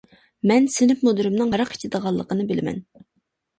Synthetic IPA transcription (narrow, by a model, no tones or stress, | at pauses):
mɛnsɪnɪpmud̪ɨɾɨmnɨŋɑɾɑqi̥t͡ʃ̪ʰɪd̪əʁɑlˠːəqənɨbɪlɪmɛ̰n